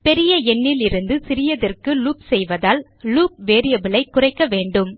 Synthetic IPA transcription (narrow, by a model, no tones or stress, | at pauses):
pɛɾɪjɐɛnːɪlɪɾɯnd̪ɯsɪɾɪjɐðɐrkɯluːp̚sɛjʋɐðaːl | luːp̚ʋeːɾɪjɐbɪlɐɪkːʊrɐɪkːɐʋeːɳɖɯm